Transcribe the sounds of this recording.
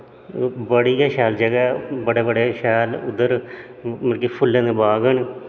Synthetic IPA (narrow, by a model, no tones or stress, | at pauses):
bəɽiːaːʃɛːld͡ʒəɡɛːbəɽeːbəɽeːʃɛːlʊd̪ːəɾ | məkiːpʰʊlːẽːd̪eːbaːɡən